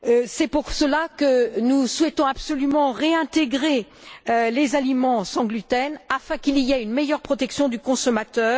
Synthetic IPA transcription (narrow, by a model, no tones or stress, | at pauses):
sɛpuʁsəlakənuswɛt̪ɔ̃apsɔlymɑ̃ʁeɛ̃t̪eɡʁeølezalimɑ̃sɑ̃ɡlyt̪ɛnafɛ̃kilijɛynmejœʁpχɔt̪ɛksjɔ̃d̪ykɔ̃sɔmat̪œːʁ